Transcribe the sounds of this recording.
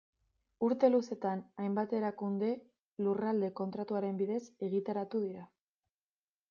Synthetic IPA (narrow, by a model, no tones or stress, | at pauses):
uɾt̪e̞luse̞t̪anajmbat̪e̞ɾakund̪e̞ | lurald̪e̞ko̞nt̪ɾat̪uaɾe̞mbiðe̞se̞ɣit̪aɾat̪uðiɾa